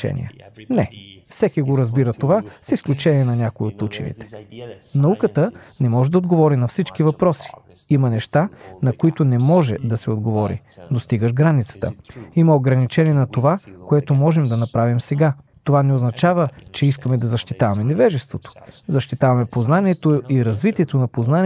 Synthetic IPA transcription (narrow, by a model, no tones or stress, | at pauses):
t͡ʃɛ̰nʲḭə̰nɛfsɛkiɡoɾɐzbiɾət̪ovasisklʲut͡ʃɛniɛnɐnʲakoiot̪ut͡ʃɛ̰nḭt̪ɛ̥nɐukət̪ənɛmɔʒɛd̪ɐod̪ɡovɔɾinɐfsit͡ʃkivɐpɾɔsi̥ | imɐnɛʃt̪anɐkoit̪onɛmɔʒɛ̰d̪ɐsɛod̪ɡovɔɾḭd̪ost̪iɡəʃɡɾanit̪sə̥t̪ə̰imɐoɡɾɐnit͡ʃɛniɛnɐt̪ovakoɛt̪omɔʒɛmd̪ɐnɐpɾavimsɛɡat̪ovanɛoznɐt͡ʃavət͡ʃɛiskəmɛd̪ɐzɐʃt̪it̪avɐmɛnɛvɛʒɛst̪vot̪o̥zɐʃt̪it̪avɐmɛpoznaniɛt̪oiɾɐzvit̪iɛt̪onɐpoznani